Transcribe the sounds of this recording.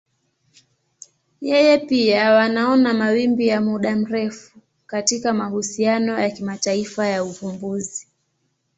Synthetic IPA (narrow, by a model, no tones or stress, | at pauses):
jɛjɛpiawanaɔnamawimbijamuɗam̩ɾɛfu | katikamahusianɔjakimataifajaupumbuzi